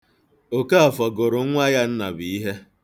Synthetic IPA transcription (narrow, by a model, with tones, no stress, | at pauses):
o˨ka˦a˨fɔ˨ɡʊ˨ɾʊ˨˦ŋʷa˦ja˦n̩˦na̰˨bi˨i˦ɦe˦